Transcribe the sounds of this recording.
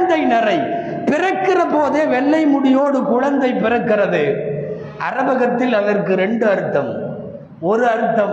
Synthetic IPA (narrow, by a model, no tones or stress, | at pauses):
nd̪ɐɪnɐrɐɪ | pɪrɐkːɪrɐpoːðeːʋɛɭːɐɪmʊɽɪjoːɽɯkʊɻɐnd̪ɐɪpːɪrɐkːɪrɐðɯ | ʔɐrɐbɐɣɐt̪ːɪlɐðɐrkɯɾɛɳɖɯɐɾɯt̪ːɐm | ɔɾɯɐɾɯt̪ːɐm